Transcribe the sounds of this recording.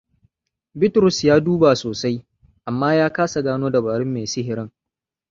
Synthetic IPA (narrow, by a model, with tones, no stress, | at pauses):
bɪ˦tɾʊ˨sjaː˦duː˦ba˨soː˨sa˦j | ʔa˨mːaː˦jaː˦kaː˦sa˨ɡaː˦noː˦da˨baː˨ɾɪ˦mːeː˨sɪ˦ɦɪ˨ɾɪ˦ŋ